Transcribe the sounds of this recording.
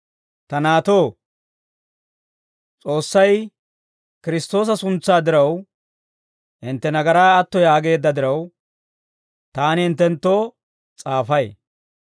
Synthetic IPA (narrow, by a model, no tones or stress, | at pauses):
t̪ɐnaːt̪o̞ː | t͡sʼo̞ːsːɐj | kɪɾɪst̪o̞ːs̬ɐsʊnt͡sːaːd̪ɪɾɐw | ɪnt̪ːɛnɐɡɐɾaːɐt̪ːɔjaːɡe̞ːd̪ːɐd̪ɪɾɐw | t̪aːnɪɪnt̪ːɛnt̪ːoː | t͡sʼaːfɐj